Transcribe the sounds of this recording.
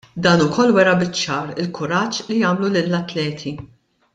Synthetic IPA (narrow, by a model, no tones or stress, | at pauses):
d̪ɐːnʊkʰɔlːwɛɾɐbɪt͡ʃːɐːɾɪlkʰʊɾɐt͡ʃːlijɐːmlulɪlːɐt̪lɛːt̪ʰi